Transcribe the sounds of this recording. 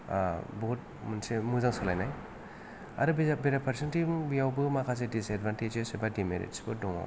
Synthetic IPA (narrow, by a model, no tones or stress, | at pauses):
bɔt̚munsemuzaŋsɔlajnaj | a̰ɾɯbbeɾapʰaɾsentibijawbɯmakʰas̬edisedbanted͡ʒesebadimḛɾḭtsbɯdɔŋa̰w